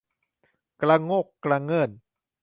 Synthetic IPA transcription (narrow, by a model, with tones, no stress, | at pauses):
kla˧ŋo˥˩kːla˧ŋɤ˧˥˩n